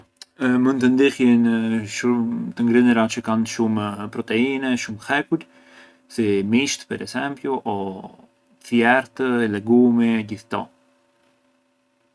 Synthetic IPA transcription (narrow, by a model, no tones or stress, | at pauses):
munt̪ənd̪ihjənʃumt̪əŋɡɾinəɾat͡ʃəkanʃumpɾɔt̪ɛinɛʃumhɛkuɾ | simiʃt̪pɛɾɛ̰sɛmpjuʔɔ | θjɛɾt̪əɛlɛɡumɛɟiθt̪ɔ̰